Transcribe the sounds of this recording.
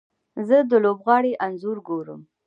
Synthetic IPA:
zəd̪əlobɣɑɽeʔanzuɾɡoɾə̰m

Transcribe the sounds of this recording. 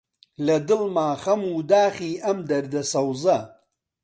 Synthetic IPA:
lɐd̪ɨlmaːχɐmuːd̪aːχiːɐmd̪ɐɾd̪ɐsɐwzɐ

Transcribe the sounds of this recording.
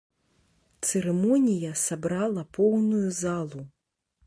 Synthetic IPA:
t̪sɛɾɛmɔnʲijɐsabɾalˠɐpɔwnujuzalˠu

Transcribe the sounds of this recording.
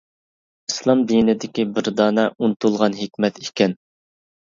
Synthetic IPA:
islˠɑmd̪inɪd̪ɪkʲibɪɾd̪ɑːnɛunt̪ulˠʁɑnɦɪkʲmɛt̪ikʲɛn

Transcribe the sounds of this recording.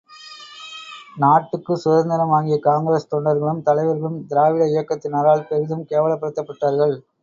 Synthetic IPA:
naːʈːɯkːɯsʊðɐnd̪ɐɾɐmaːŋɡɪjɐkaːŋɡɐɾɐst̪ɔɳɖɐɾɣɐɭɯmt̪ɐlɐɪʋɐɾɣɐɭɯmd̪ɪɾaːʋɪɽɐɪjɐkːɐt̪ːɪnaːɾaːɭpɛɾɪðɯmkeːʋɐɭɐpːɐɽɯt̪ːɐpːɐʈːaːɾɣɐɭ

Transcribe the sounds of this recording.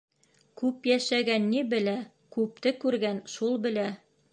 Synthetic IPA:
kʉpjæʃæɡænːibɘ̆læ | kʉp̚t̪ɘkʉɾɡænʃulˠbɘ̆læ

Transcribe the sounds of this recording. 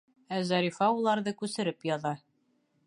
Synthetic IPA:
æzæɾifɑulˠɑɾðɤkʉsɘ̆ɾɘpjɒðɑ

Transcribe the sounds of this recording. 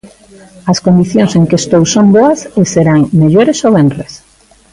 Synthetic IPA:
ɐskond̪iθjõŋseŋkest̪owsomboɐseseɾaŋmeʎoɾesoβenres

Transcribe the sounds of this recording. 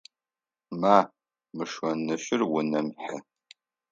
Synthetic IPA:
maː | mɨʂwɐnɨɕɪrwʊnɐmħɐ

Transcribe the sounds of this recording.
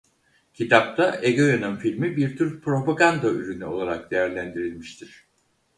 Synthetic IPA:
cʰit̪ʰap̚t̪ʰaʔeɡojanɯnfilʲmibiɾt̪ʰyɾpɾo̞paɡand̪ayɾynyo̞lˠaɾak̚d̪e̞jæɾlʲænd̪iɾilʲmiʃt̪ʰiɾ̝̥

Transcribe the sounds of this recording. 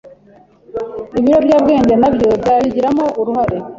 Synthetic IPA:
iβiɾo̞bjaːbɡe̞ːɲɟenabjo̞bzaβiɟiɾamoʔuɾuhaɾe

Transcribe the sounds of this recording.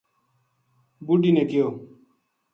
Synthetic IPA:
buɖiːneːkɪjoː

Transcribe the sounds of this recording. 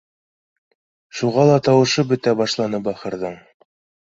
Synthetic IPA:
ʃuʁɑlˠɑt̪ɑwɤ̆ʃɤbɵ̆t̪æbɑʃlˠɑnɤbɑχɤ̆ɾðɤɴ

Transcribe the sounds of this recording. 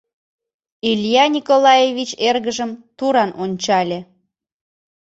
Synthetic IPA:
ilʲjɑnʲikolɑjevit͡ɕerɣəʒəmt̪uɾɑnonʲt͡ɕɑlʲe

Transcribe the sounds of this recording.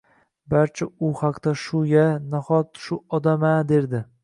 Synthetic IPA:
baɾt͡ʃʰɪʊhaqt̪aʃʊɡʲanahɒt̪ʃʊɒd̪amad̪e̞ɾd̪ɪ

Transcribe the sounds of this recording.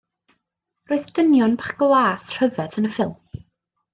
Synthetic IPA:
roːɨðd̥ənjɔnbaχɡ̥lˠaːsr̥əvɛdənəfɪlˠm

